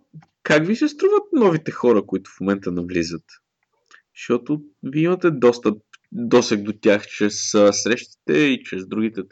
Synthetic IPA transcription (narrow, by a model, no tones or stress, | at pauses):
kakvisɛst̪ɾuvət̪̚nɔvit̪ɛxɔɾəkʊit̪ʊ̥fmomɛnt̪ənɐvlizət̪ | ʃt̪ɔt̪ʊviimɐt̪ɛd̪ɔst̪əpd̪ɔsɛɡ̚d̪ot̪ʲjaxt͡ʃɾɛsəsɾɛʃt̪i̥t̪ɛit͡ʃɾɛzd̪ɾuɡ̟it̪ɛ